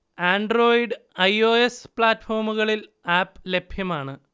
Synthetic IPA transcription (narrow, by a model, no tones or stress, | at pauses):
aːɳɖro̞ːjiɖɨɐjo̞ːespɭaːtːfo̞ːrmuɣɐɭil | aːpːle̞bʱjɐmaːɳɨ